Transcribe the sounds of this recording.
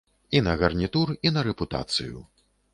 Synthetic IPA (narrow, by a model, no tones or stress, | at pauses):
inɐɣɐrnʲit̪urinɐɾɛput̪a̰t̪sɨ̰jṵ